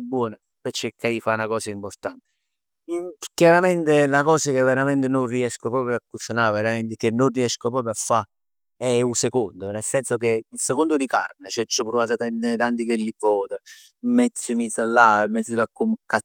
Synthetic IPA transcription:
bːwɔːna | pɛt͡ʃːekʰːajifanakɔːsaimpoɾt̪ant̪e̥ | kjaɾamɛnt̪elakɔːsak̟evːeɾament̪enonriɛskopɾɔːpɾjoakːusanaɾveɾament̪ɪkenːonriɛskopɾɔːpɾjoafːa | ɛusekond̪onelsɛnsok̟eilsekond̪od̪ika̰ɾnet͡ʃɛt͡ʃːopuɾvat̪at̪ɛnt̪ant̪ikelːipɔːt̪a | mɛt̪sːəmisalːamɛt̪sːilakːumkːa

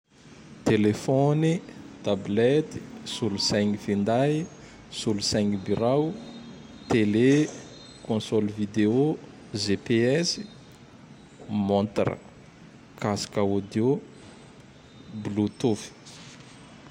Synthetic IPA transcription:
t̪elefɔnit̪ablɛt̪i̥sulusɛjŋifind̪aj | sulusɛŋibiɾaw | t̪ele | kɔ̃sɔlvid̪eo | ʒepeɛsi̥ | mɔ̃nt̪ɾə̰ | kasi̥kaod̪jo | blut̪ufi̥

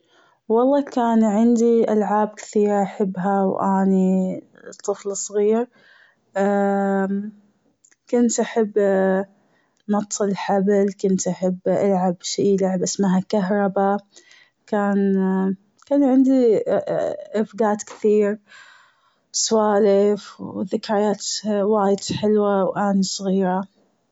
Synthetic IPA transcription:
wɑlˤːɑːkaːnʕɪnd̪iʔalʕaːb̚kɪ̥θiːɾʔaħɪbːɦawʔaːni | t̪ˤːɨflsˤɣiːɾ | kʊnt̪ʔaħabː | nɑt̪ˤːɨlħablkʊnt̪ʔaħabːʔa̰lʕabʃiːlaʕbʔɪsmaɦakaɦɾˤɑba | kaːn | kaːnʕɪnd̪i | ʔɪfɡaːt̪kɪ̥θiːɾ | swaːʔlʔɪfðɪkɾˤajaːt̪waːjɪd̪ħɪlwawʔaːnisˤɣiːɾa

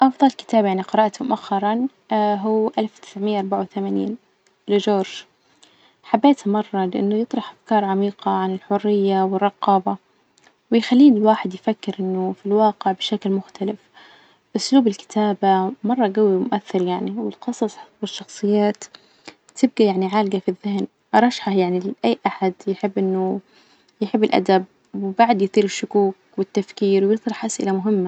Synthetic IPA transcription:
ʔɑfd̪ˤɑlkɪ̥t̪aːbajaʕniqɨɾˤɑːʔt̪mʊʔaxːɑɾˤɑn | ɦuːʔalfwt̪ɪ̥sʕmɪjːʔɑɾˤbaʕawt̪amaːnḭːn | lɪd͡ʒoːɾʒ | ħabːeːt̪mɑrˤːɑlɪʔɪ̰nːʊjɨt̪ˤɾˤɑħʔafkɑːɾˤʕamiːqɑʕanɪlħʊrːɪjːawɪrˤːɑqɑːba | wɪjxalːiːnwaːħɪd̪jfakːɪɾʔɪnːʊfilwɑːqɪʕbɪʃaklmʊxt̪alɪf | bʔʊsluːbɪlkɪ̥t̪ʰaːbamɑrˤːɑɡawimʊʔaθːɪɾjaʕniwɪlqɨsˤɑsˤwɪʃːɑxsˤɨjːaːt̪ | t̪ɪb̚ɡajaʕniʕaːlɡafiðːɪhn | ʔɾˤɑʃħajaʕnilʔajːʔaħad̪jɪħɪbːʔɪnːʊ | jħɪbːɪlʔa̰d̪ab̚ | wɪbaʕd̪jθˤiːɾɪʃːʊkuːk | wɪt̪ːafkiːɾwjɨðˤɾɑħʔasʔɪ̰lamʊɦɪmːa

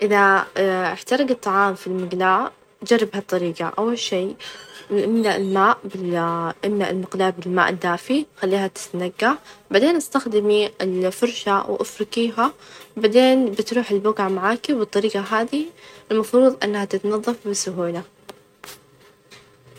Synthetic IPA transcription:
ʔɪðaʔɪħt̪ɑɾˤɑɡɨt̪ˤːɑʕɑːmfilmɪɡlaːʕ | d͡ʒɑrˤːɪbhɑt̪ˤːɑɾiːqɑ̰ʔawːalʃiː | ʔɪmnaʔɪlmaːʔbɪʔɪmnaʔɪlmɪqlaːʕbɪlma̰ːʔɪd̪ːaːfixalːiːhat̪ɪ̥t̪naɡːaʕaʕd̪eːnʔast̪axd̪ɪmiɪlfʊɾˤʃawʔɪfɾɪkiːɦabaʕd̪eːnbɪt̪ɾuːħɪlbʊɡʕamaʕaːkibɨt̪ˤːɑɾiːɡɑɦaːd̪iɪlmɑfɾuːðˤʔɪnːhat̪ɪt̪nɑðˤːɑfbɪsʊɦuːla

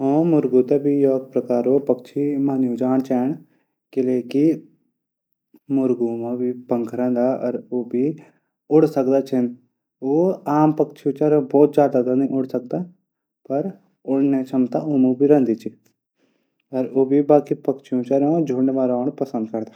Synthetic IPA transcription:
ɦõːmʊɾɡuːt̪ebʱijoːɡ̪̚pɾɐkaːɾoːpɐkt͡ʃʰimaːnjũd͡ʒaːɳ̃t͡ʃɛːɳ̃ | kɪleːki | mʊɾɡũːmãbʱipə̃ŋkʰɾə̃ːnd̪aːɐ̰ɾoːbʱi | ʊɽsəkd̪aːt͡ʃʰən | oːaːmpəkt͡ʃʰijõt͡ʃɐɾbɔːt̪̚d͡ʒjaːd̪aːzanɐĩʔʊɽsək̚d̪a | pɐɾ | ʊɽneːt͡ʃʰəmt̪aoːmũbʱiɾə̃nd̪iːt͡ʃʰi | ɐɾoːbʱibaːkipɐkt͡ʃʰijõːt͡ʃəɾõd͡ʒʱoːɽnʋaːɾaːɳ̃pɐsə̃nd̪kɐɾd̪aː

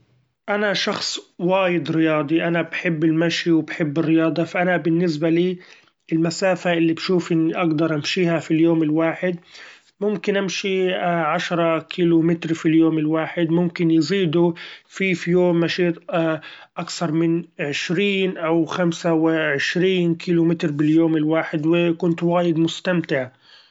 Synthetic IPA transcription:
ʔanaʃɑxsˤwaːjɪd̪ɾɪjɑːd̪ˤiʔanabħɪbːɪlmaʃiwbħɪbːɪrːɪjɑːd̪ˤɑfaʔanabɪnːɪs̬baliː | ɪlmasaːfaʔɪlːibʃuːfʔɪnːiʔaɡd̪ɑɾˤʔamʃiːhafiljoːmɪlwaːħɪd̪ | mʊmkɪnʔamʃiʕaʃɾˤɑkʰiːlʊmɪt̪ɾfiljoːmɪlwaːħɪd̪mʊmkɪnjziːd̪ufifijoːmːaʃiːt̪ | ʔakθɑɾˤmɪnʕɪʃɾiːnʔawxamsawɪʕɪʃɾiːnkʰiːlʊmɪt̪ɾbɪljoːmɪlwaːħɪd̪wɪkʊnt̪waːjɪd̪mʊst̪amt̪ɪʕ

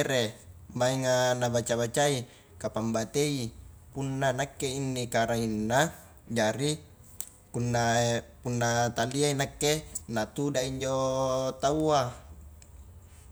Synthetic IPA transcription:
ɾemaiŋanabat͡ʃabat͡ʃai | kapambat̪eipunːanakːeinːikaɾainːa | d͡ʒaɾi | punːapunːat̪aliainakːenat̪udaiɲd͡ʒot̪aua

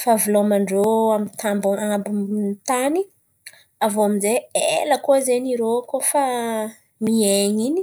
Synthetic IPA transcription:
favulomaɳɖ͡ʐoamint̪ambaambant̪ani | avoaminzeelakozeɲiɾokofa | mieɲini̥

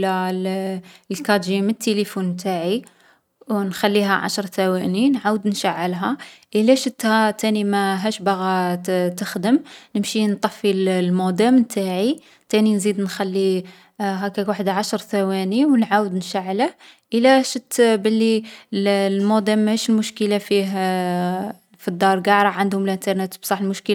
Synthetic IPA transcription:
lællkɑʒimənt̪ːelifunmt̪aʕi | wnxælːiɦæʕa̰ʃɾˤt̪æwæninʕawəd̪nʃaʕːəlɦæʔəlæʃət̪ːhæt̪ænimæɦæʃbaɣæt̪əxd̪əmnəmʃint̪ˤɑfːillmod̪æmnt̪ʰaʕi | t̪æninzid̪nxælːi | ɦækækwaħəd̪ʕaʃɾˤt̪æwæniwnʕawəd̪nʃaʕːləhʔəlːæʃət̪ːbəlːillmod̪æmːhæʃəlmʊʃkəlafiɦ | fid̪ːɑɾˤɡɑɾˤɑʕand̪hʊməlʔənt̪əɾˤnet̪bsˤɑħəlmʊʃkəl

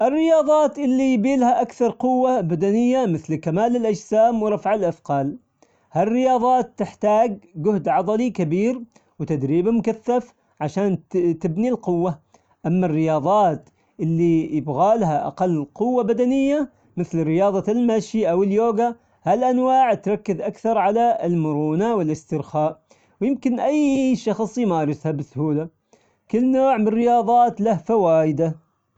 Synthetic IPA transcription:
ʔɪrːɪjɑːðˤɑːt̪ʔɪlːijbiːlhaʔakθɑɾˤqʊwːabad̪anɪjːamɪθlkamaːlɪlʔad͡ʒsaːmwɾˤɑfʕɪlʔafqɑːl | harːɪjɑːðˤɑːt̪ːɪħt̪aːɡ̚ɡʊhd̪ʕɑd̪ˤɑlikabiːɾ | wɪt̪ad̪ɾiːbmʊkaθːaf | ʕaʃaːnt̪ɪbnilqʊwːa | ʔamːarːɪjɑːðˤɑːt̪ | ʔɪlːijɪbɣaːlɦaʔa̰qɑlːqʊwːabad̪anɪjːa | mɪθlɾɪjɑːðˤɑlmaʃiʔawɪljoːɡa | halʔanwaːʕt̪ɾˤɑkːɪðʔakθɑɾˤʕalaɪlmʊɾˤuːnawɪlʔɪst̪ɪɾxaːʔ | wjɪmkɪnʔajʃɑxsˤjɪmaːɾɪshabɪshuːla | kɪlːnoːʕmɪnrːɪjɑːðˤɑːt̪lahfawaːjɪd̪a

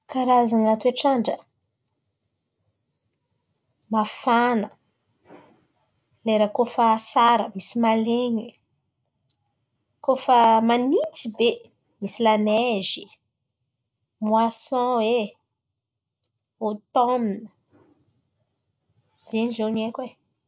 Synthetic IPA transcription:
kaɾazaŋat̪ueʈ͡ʂaɳɖ͡ʐə | mafanə | leɾakofəsaɾəmisimaleɲi | kofəmanit͡sibe | misilanezi | muasɔ̃e | ot̪ɔminə | z̥enizewniekʲe

